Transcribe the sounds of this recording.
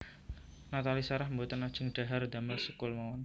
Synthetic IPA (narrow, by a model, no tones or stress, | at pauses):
nat̪alisaɾahmbot̪ənad̥ʒ̥ʊŋɖ̪̥a̤ɦard̪amərsəkʊlmaɔn